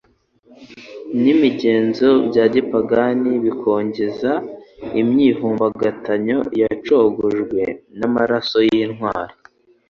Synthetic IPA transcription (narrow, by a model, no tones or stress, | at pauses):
nimiɟe̞ːnzo̞bɟaːɟipaɡaniβikʰo̞ːɲɟezaimɲiɦuːmbaɡataɲo̞jat͡ʃo̞ɡoʒɡwe̞namaɾaso̞jinɦwaːɾo